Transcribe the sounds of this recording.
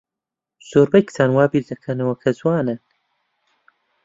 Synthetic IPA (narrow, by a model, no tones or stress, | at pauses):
z̥oːɾbɐjkt̪ʰaːnwaːbiːɾd̪ɐkʰɐnɐwɐkʰɐzuwaːnɨn